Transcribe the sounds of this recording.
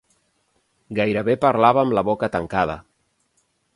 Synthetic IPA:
ɡajɾəβepaɾlaβaːmləβokət̪əŋkað̞ə̰

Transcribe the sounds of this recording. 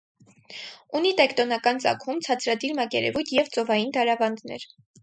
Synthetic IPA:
unit̪ɛkt̪ɔnɑkɑnt͡sɑ̰kʰumt͡sʰɑt͡sʰɾɑd̪iɾmɑkɛɾɛ̰vujt̪ʰjɛvt͡sɔvɑjind̪ɑɾɑvɑnd̪nɛ̰ɾ

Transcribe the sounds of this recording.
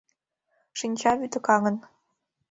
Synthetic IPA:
ʃinʲt͡ɕɑβyd̪ə̆kɑŋə̆n

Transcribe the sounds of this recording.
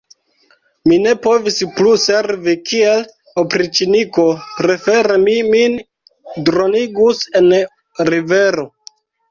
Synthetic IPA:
mine̞po̞vispluse̞ɾvikʰiel | opɾit͡ʃiniko̞pɾe̞fe̞ɾemimin | dɾoniɡuse̞n | ɾive̞ɾo̞

